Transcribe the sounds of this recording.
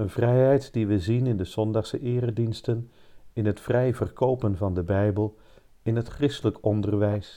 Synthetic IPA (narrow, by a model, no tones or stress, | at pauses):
ənvrɛjɦɛjtdiʋəzinɪndəz̥ɔndɑχsəʔɪːrədinstən | ɪnɦətfrɛjvərkowpənvɑndəbɛjbəlˠ | ɪnɦətχrɪstələkɔndərʋɛjs